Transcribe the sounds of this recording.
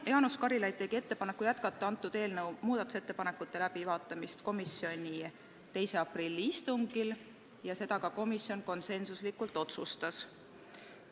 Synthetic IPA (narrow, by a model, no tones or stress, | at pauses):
jɑːnuskɑɾilɑjd̪̥̚t̪e̞ɡ̥ie̞t̪ːe̞pɑne̞kːˑujæt̪kɑt̪ːˑɑɑnt̪ːˑud̪eːlnɤwmuːd̪̥ɑt̪ːˑu̥se̞t̪ːepɑne̞kːˑut̪ːe̞læb̥ivɑːt̪ːˑɑmist̪ko̞misjo̞nʲi | t̪e̞jse̞ɑprilʲːiist̪uŋɡ̥il | jɑse̞d̪̥ɑkɑko̞misjo̞nko̞nse̞nsuslikːˑult̪ːˑo̞t̪sust̪ɑs